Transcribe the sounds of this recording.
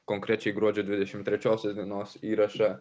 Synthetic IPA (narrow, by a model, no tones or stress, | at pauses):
koŋkɾʲɛt͡ʃʲɛɪɡɾuɔd͡ʒʲɛd̪ʲʋʲɪd̪ʲɛʃʲɪmt̪ʲɾʲɛt͡ʃʲoːsʲɛsd̪ʲinoːsiːɾɐʃɐ